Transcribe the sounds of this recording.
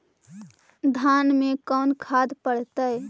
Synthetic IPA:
d̪ʱaːnmẽkɔːnkʰaːd̪pəɽt̪əj

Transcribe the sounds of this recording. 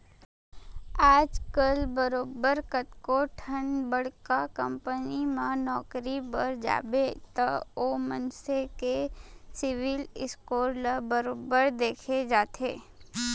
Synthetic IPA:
aːd͡ʒkəlbəɾoːbəɾkət̪koʈʰənbəɽkakə̃mpənimãnɔːkɾibəɾd͡ʒa̰ːbet̪ɐoːmənsekesɪʋɪlɪskoːɾlabəɾoːbəɾd̪eːkʰed͡ʒaːt̪ʰeː

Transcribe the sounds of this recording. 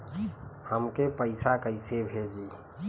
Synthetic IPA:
həmkepəɪsakəɪsebʱed͡ʒi

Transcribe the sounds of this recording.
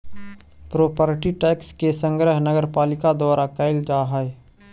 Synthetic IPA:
pɾoːpəɾʈiʈɛːkskesə̃ŋɡɾəɦnəɡəɾpaːlɪkad̪waːɾakəɪld͡ʒaːɦəe

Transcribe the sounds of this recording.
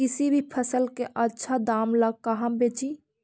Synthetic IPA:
kɪsibʱipʰəsəlkeʔətːʃʰad̪aːmlaɡ̚kaɦãmbeːt͡ʃi

